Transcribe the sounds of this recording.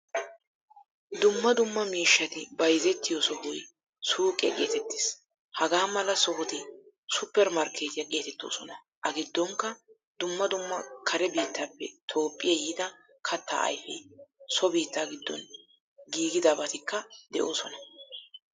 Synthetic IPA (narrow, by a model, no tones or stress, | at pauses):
d̪ʊmːɐd̪ʊmːɐmiːʃːɐt̪ɪbɐjzɛt̪ːɪjɔsɔhʊj | suːkʼːɛ̰kʼe̞ːt̪ɛt̪ːɪ̥ːs | hɐɡaːmɐlɐsɔhʊt̪ɪ | sʊpːɛɾmɐɾkʰe̞ːt̪ɪjɐkʼe̞ːt̪ɛt̪ːo̞̰ːsɔnɐ | ʔɐɡɪd̪ːɔŋkːɐ | d̪̥ʊmːɐd̪ʊmːɐkʰɐɾɛbiːt̪ːaːpːɛ̰t̪ʰo̞ːpʼːɪjɐjɪd̪ɐ | kʰɐt̪ːa̰ːɐ̰jfɛ̰sɔbiːt̪ːaːɡɪd̪ːɔ̰n | ɡiːɡɪd̪aːbɐt̪ɪkːɐd̪ɛʔo̞̰ːsɔnɐ